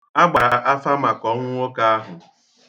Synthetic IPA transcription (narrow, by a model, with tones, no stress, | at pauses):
a˦ɡ͡ba˨ɾa˨ʔa˦fa˦ma˨kɔ˨˦ŋʷ˦ŋʷo˦ka˦a˦ɦʊ˨